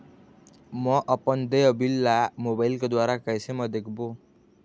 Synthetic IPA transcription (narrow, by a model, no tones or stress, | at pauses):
mʌʔʌpʌnd̪ejʌbilːamobailkod̪waɾakajsʰemʌd̪ekʰbo